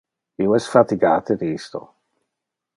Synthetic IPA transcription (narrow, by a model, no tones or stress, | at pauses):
hiwɔz̥fatiɡaːt̪ʰɪɾiːsto̰